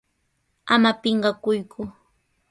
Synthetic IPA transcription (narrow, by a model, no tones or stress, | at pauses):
amapɪɴɢɑkʊjkʰʊ